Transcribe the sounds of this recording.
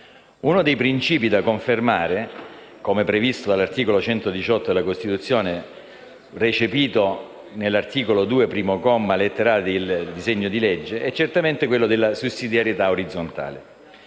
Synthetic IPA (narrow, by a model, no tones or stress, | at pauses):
unod̪ejpɾint͡ʃiːpid̪akoɱfermaːɾe | komepɾevist̪od̪alːart̪iːkolot͡ʃɛnt̪od̪it͡ʃɔt̪ːod̪elakost̪it̪ut̪sːjoːne | ret͡ʃepiːt̪o | nelːart̪iːkolod̪uːepɾiːmokɔmːalet̪ːeɾaːled̪ild̪izeɲːod̪ilɛd͡ʒːeɛt͡ʃːert̪ament̪ekwelːod̪elːasusːid̪jaɾjet̪aoɾid̪zːont̪a̰ːle